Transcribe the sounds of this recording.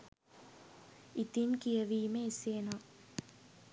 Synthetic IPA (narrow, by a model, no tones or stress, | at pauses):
it̪inkijɐʋiːmeseːnaː